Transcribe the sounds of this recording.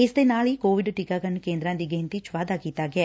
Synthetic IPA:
ist̪enaːɭikoːʋiɖʈikaːɡɐnkeːnd̪ɾaːnd̪iɡent̪it͡ʃʋaːd̪aːɡit̪aːɡe

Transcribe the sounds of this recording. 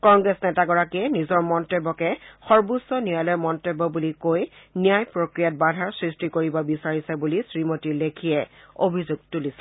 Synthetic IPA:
kɔŋɡɹesnɛtaɡɔɹakiɛnizɔɹmɔntebːɔkɛxɔɹbusɔnialɔjmɔntebːɔbulikojnijajpɹokɹijat̚badʱaɹsɹistikoɹibɔbisaɹisɛbulisɹimotiɹlekʰiɛobʱizuɡ̚tulisɛ̥

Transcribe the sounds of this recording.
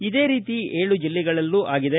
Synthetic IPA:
id̪e̞ːɾiːt̪ieːɭud͡ʒilːiɡɐɭɐlːuʔaːɡid̪e

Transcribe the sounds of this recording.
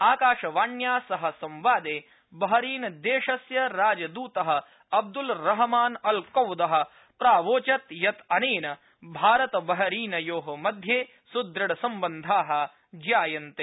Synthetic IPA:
aːkaːʃɐʋaːɳjaːsɐɦɐsɐ̃mʋaːd̪eː | bɐɦɐɾiːnɐd̪eːʃɐsjɐɾaːd͡ʒɐd̪uːt̪ɐɦɐ̆ | ɐb̚d̪ulɾɐɦɐmaːnɐlkɐwd̪ɐɦɐ̆ | pɾaːʋoːt͡ʃɐt̪jɐt̪ɐneːnɐ | bʱaːɾɐt̪ɐbɐɦɐɾiːnɐjoːɦɐ̆mɐd̪ʱjeː | sud̪ɾɐɽɐsɐ̃mbɐnd̪ʱaːɦɐ̆ | d͡ʒaːjɐnt̪eː

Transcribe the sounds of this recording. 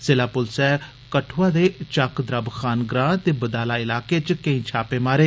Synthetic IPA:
sɪlaːpʊlsɛː | kəʈʰʋaːd̪eːt͡ʃakd̪ɾəbkʰaːnɡɾãːt̪eːbəd̪aːlaːɪlaːkeːt͡ʃkə̃ĩːt͡ʃʰaːpeːmaːɾeː

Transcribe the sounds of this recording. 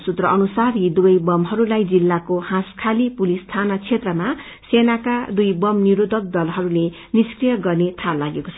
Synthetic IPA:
sut̪rʌʔʌnusaɾid̪ubʌjbʌmɦʌɾulajd͡zilːakohãskʰalipulist̪ʰanʌt͡sʰet̪rʌma | senakad̪ujbʌmniɾud̪ʱʌk̚d̪ʌlɦʌɾule | niskrijʌɡʌrnet̪ʰalaɡekot͡sʰʌ

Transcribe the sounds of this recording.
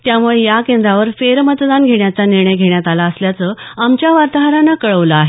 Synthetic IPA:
t̪jamuɭejakẽnd̪ɾaʋəɾfeɾmət̪d̪anɡʱeɳjat͡saniɾɳ̃əjɡʱeɳjat̪alaəsljat͡səːamt͡ɕjaʋaɾt̪əɦəɾanakəɭəʋləaɦe

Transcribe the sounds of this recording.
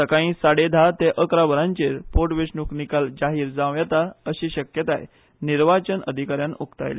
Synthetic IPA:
təkaĩːsaɽed̪ʱat̪eʔəkɾabəɾãɲt͡ɕeɾpoʈʋeʂɳuknikald͡ʑaɦiːɾd͡zãʋjat̪aəɕiːɕəkjət̪aj | niɾʋat͡ɕənə̰d̪ʱikaɾjãnukt̪a̰jlḛ

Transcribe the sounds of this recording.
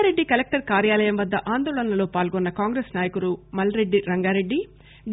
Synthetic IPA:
ɾe̞ɖːikɐlek̚ʈɐɾkaːɾjaːlɐjɐmʋɐd̪ːɐʔaːnd̪ɔːɭɐnɐlo̞ːpaːlɡɔnːɐkaːŋɡɾeːsnaːjɐkuɾumɐlɐɾe̞ɖːiɾɐŋɡaːɾe̞ɖːi | d̪

